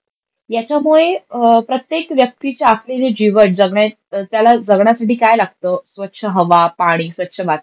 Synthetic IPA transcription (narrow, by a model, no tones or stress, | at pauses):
jat͡ɕjamuɭepɾət̪jekʋjək̚t̪it͡ɕeapled͡ʑed͡ʑiʋəʈ̚d͡zəɡɳja | t̪jalad͡zəɡɳjasaʈiːkajlaɡ̚t̪əsʋət̪ːɕʰəɦəʋapaɽ̃iːsʋət̪ːɕʰəʋat̪̚